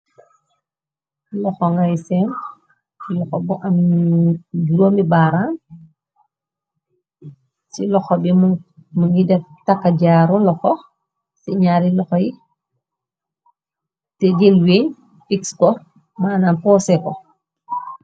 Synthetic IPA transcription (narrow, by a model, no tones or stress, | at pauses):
lɔxɔŋɡajsɛm | ilɔxɔbɔʔɐm | uloːmbibaːɾaːn | silɔxɔbimuŋɡidɛftakːaɟaːɾɔlɔxɔ | siɲaːɾilɔxɔji | tɛɟelweːɲ | fikskɔ | maːnanpɔːsɛkɔ